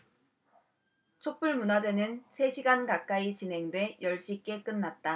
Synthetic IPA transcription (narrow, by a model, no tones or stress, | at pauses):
t͡ɕʰop͈uɭmunad͡ʑe̞nɯnsʰe̞ɕʰiɡankak͈ait͡ɕinɦe̞ŋdwe̞jʔʌɭɕ͈ik͈e̞k͈ɯnːat̚t͈a